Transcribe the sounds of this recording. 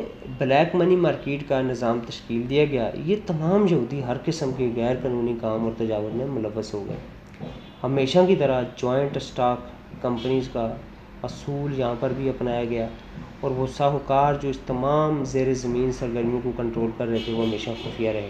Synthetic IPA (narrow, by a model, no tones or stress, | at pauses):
blɛːkmənimaːɾkeːʈkanɪzaːmt̪ɐʃkiːld̪ijaɡɐja̰ːjet̪ɐmaːmjɐuːd̪iɦɐɾkɪsəmkeɣɛːɾkaːnuːnikaːmɔːɾt̪ɐd͡ʒaːʋəd̪mẽmʊləʋːəsɦoɡɐ̰ḛː | hɐmeːʃakit̪ɐɾad͡ʒɔːɪ̃ɳʈsʈaːkː | ɐ̃mpəniːzka | ɐsuːljɐɦãpɐɾbʱiɐpnaːjaɡɐjaː | ɔːɾʋosaːɦkaːɾd͡ʒoːɪst̪ɐmaːmzeːɾezɐmĩːnsɐɾɡəɾmijõkokə̃ɳʈɾoːlkɐɾːɛɦet̪ʰeʋoɦɐmeːʃaxʊːfijaɾɐɦẽɡ